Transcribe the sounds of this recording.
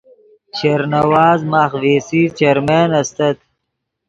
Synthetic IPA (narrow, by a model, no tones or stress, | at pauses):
ɕeɾnɐwaːzmaːxweːsit͡ʃeɾmeːnɐst̪ɐt̪